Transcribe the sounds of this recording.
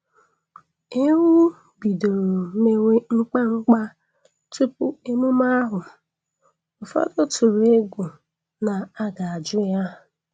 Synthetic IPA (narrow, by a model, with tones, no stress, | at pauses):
e˦wu˦ | bi˨do˨ɾo˨˦me˦we˦ŋ͡m̩˦k͡pa˦ŋ͡m̩˦k͡pa˦ | tu˦pʊ˦e˦mu˦ma˦ɦʊ˨ | ʊ˨fɔ̰˦dʊ˦tu˨ɾe˦ɡu˨ | na˨a˦ɡa˨a˨d͡ʒʊ˦ja˦